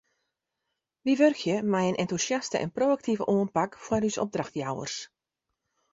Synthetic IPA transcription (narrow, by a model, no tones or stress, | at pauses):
ʋiʋørkʰjəmɛjənʔɛntusjastə̰ʔɛ̰nproːak̚tʰivəʔoənpakfwarysɔ̰p̚draxtjawə̰rs